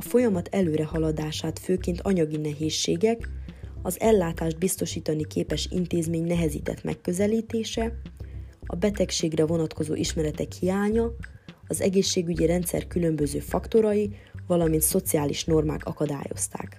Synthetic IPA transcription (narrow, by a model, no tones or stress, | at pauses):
ɒfo̞jɒmɒt̪ʰɛløːɾɛhɒlɒd̪aːʃaːt̪føːkeːnt̪ɒɲɒɡinɛɦeːʃːeːɡɛkɒzɛlːaːt̪aːʒd̪̚bist̪o̞ʃiːt̪ɒnikeːpɛʃḭnt̪eːzmeːɲnɛɦɛzḭːt̪ɛ̰t̪mʔɛ̰kːø̞zɛliːt̪eːʃɛ | ɒ̰bɛt̪ɛkʃeːɡrɛvo̞nɒt̪ko̞zo̰ːʔiʃmɛɾɛt̪ɛkhijaːɲɒ | ɒzɛ̰ɡeːʃːeːɡyɟiɾɛnt̪sɛ̰rkylø̞mbøzøːfɒkt̪o̞ɾɒjivɒlɒmint̪so̞t̪siaːlḭʃno̞rma̰ːkɒkɒd̪a̰ːjo̞̰st̪a̰ːk